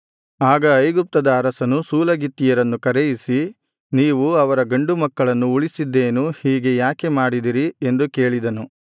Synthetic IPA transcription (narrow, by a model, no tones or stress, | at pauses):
aːɡɐːjɡup̚t̪ɐd̪ɐːɾɐsɐnusuːlɐɡit̪ːijɐɾɐnːukɐɾejisi | niːʋuɐʋɐɾɐɡɐɳɖumɐkːɐɭɐnːuuɭisid̪ːe̞ːnuhiːɡe̞jaːkemaːɽid̪iɾiend̪uke̞ːɭid̪ɐnu